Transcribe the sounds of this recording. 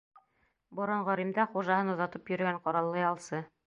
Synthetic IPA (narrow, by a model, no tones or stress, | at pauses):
bŏɾoɴʁɒɾimd̪ɑχuʒɑhɤnuðɑt̪ɤpjɵ̆ɾɘ̆ɡæɴqɒɾɑlˠːɤjɑlˠsɤ